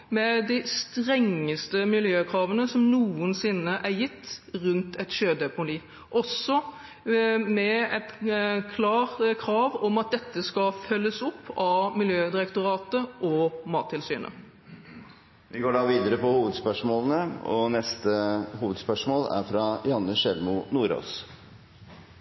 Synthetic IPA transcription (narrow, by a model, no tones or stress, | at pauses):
mɛd̪ɪst̪ɾɛŋːəst̪əmɪljøːkʰɾɑːʋənəsɔmnuːənsɪnːəʔæɾjɪt̪ːɾʉnt̪ɛt̪ɕøːd̪ɛpʊniː | ʔɔsːɔ | mɛɛt̪kʰlɑːɾt̪kʰɾɑːʋɔmɑt̪̚d̪ɛt̪ːəskɑfœlːəsʊpːɑmɪljøːd̪ɪɾɛkt̪ʊɾɑːt̪əʔɔmɑːt̪ʰːɪlsyːnə̰ | ʋɪɡoːɖɑːʋiːd̪əɾəpɔhuːʋəd̪spœʂmoːlənəɔ̰nɛst̪əhuːʋəd̪spœʂmoːlæ̰ɾfɾɑjɑnːəʂɛlmʊnuːɾo̰ːs